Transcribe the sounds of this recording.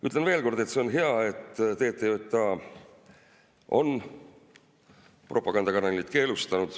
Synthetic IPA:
y̰t̪ːˑlenve̞ːlko̞rd̪̥e̞t̪ːse̞o̞nɦeɑe̞t̪ːt̪e̞ːt̪ːˑejot̪ːˑɑ | o̞̰n | prʔo̞pːˑɑɡɑnd̪ɑkɑnɑlit̪ˑke̞ːlust̪ɑnud̪̥

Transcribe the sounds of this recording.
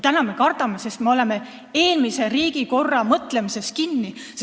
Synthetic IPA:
t̪ænɑme̞kɑrt̪ɑme̞se̞st̪me̞o̞le̞me̞ | e̞ːlmise̞ɾiːɡiko̞rːɑmɤt̪le̞mise̞st̪̚kinːi

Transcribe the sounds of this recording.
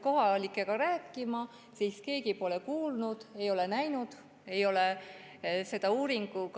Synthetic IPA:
ko̞ɦɑlikːˑe̞kɑɾæːkːˑimɑ | siːske̞ːɡipo̞le̞kuːlnud̪̥e̞jo̞le̞næjnud̪̥ | e̞jo̞le | se̞d̪̥ɑuːɾiŋɡ̥uk

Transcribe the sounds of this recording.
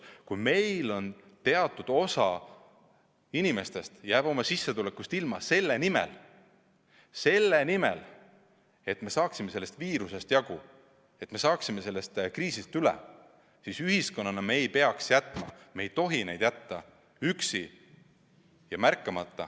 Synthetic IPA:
kujme̞jlo̞nt̪e̞ɑt̪ːˑud̪̥o̞sɑ | inime̞st̪e̞st̪jæːb̥o̞mɑsisːet̪ulekːˑust̪ilmɑse̞lːenimḛl | se̞lːenimḛl | e̞t̪me̞sɑːksime̞se̞lːe̞st̪viːɾuse̞st̪jɑɡ̥u | e̞t̪me̞sɑːksime̞se̞lːe̞st̪kriːsist̪ylḛ | sisyɦisko̞nːɑnɑme̞ːjpe̞ɑksjæt̪ːˑmɑmejt̪o̞ɦine̞jd̪jæt̪ːɑ | yksi | jɑmærkːˑɑmɑt̪ːˑɑ̰

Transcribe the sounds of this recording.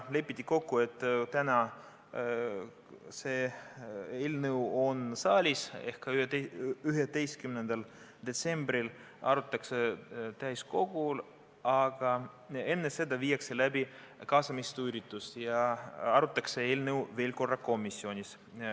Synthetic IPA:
le̞pːˑit̪ʲːiko̞kːue̞t̪ːˑt̪ænɑ | seː | eːlnɯwo̞nsɑːlʲise̞hkːɑyɦed̪e̞jst̪̚kymnend̪̥ɑl | d̪̥e̞t̪se̞mbɾil | ɑ̰ɾut̪ːˑɑkset̪æjsko̞ɡul | ɑɡ̥ɑ | e̞nːese̞d̪ɑvijːɑkse̞læbi | kɑːsɑmist̪ujɾit̪ːˑust̪jɑɑɾut̪ːˑɑksee̞ːlnɤwve̞ːlko̞rːɑko̞misʲːionʲis

